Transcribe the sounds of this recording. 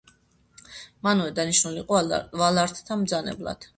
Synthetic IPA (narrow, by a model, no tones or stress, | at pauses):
manɔvɛd̪aniʃnuliqʼɔvalaɾt̪ʰt̪ʰamd̪zanɛ̰blˠa̰d̪̥